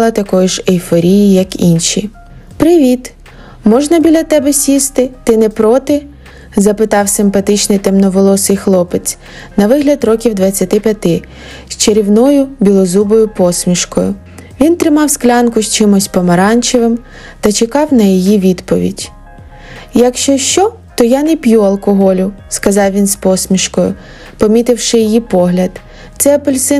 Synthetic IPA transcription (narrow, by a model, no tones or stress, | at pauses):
lˠɐt̪ɐkɔjʊʒejfɔɾʲijijɐkinʃʲi | pɾɪʋʲit̪ | mɔʒnɐbʲilʲɐt̪ɛbɛsʲist̪ɪt̪ɪnɛpɾɔt̪ɪ | zɐpɪt̪ɑwsɪmpɐt̪ɪt͡ʃnɪjt̪ɛmnɔʋɔlˠɔsɪjxlˠɔpet͡sʲ | nɐʋɪɦlʲɐd̪rɔkʲiwd̪ʋɐt͡sʲːɐt̪ɪpʲjɐt̪ɪ | sʲt͡ʃeɾʲiwnɔjʊbʲilˠɔzubɔjʊpɔsmʲiʃkɔjʊ | ʋʲint̪ɾɪmɑwsklʲɑnkʊʃt͡ʃɪmɔsʲpɔmɐɾɑnʲt͡ʃɪʋɪm | t̪ɐt͡ʃekɑwnɐjijiʋʲid̪pɔʋʲḭdʲ | jɐkʃt͡ʃɔʃt͡ʃɔ | t̪ɔjanɛpʲjuɐlˠkɔɦɔlʲʊskɐzɑwʋʲinspɔsʲmʲiʃkɔjʊ̰ | pɔmʲit̪ɪwʃɪjijipɔɦlʲɐd̪ | t̪sɛɐpɔlʲsɪ